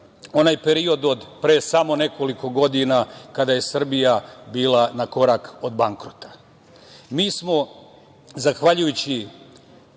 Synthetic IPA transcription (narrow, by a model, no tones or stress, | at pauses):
o̞naːjpe̞ɾio̞d̪o̞d̪pɾe̞ːsamo̞ne̞ko̞liko̞ɡo̞d̪inakad̪aje̞sr̩bijabiːlˠanako̞ɾako̞d̪baŋkɾot̪ḁ | miːsmo̞ | zaxʋaʎujut͡ɕi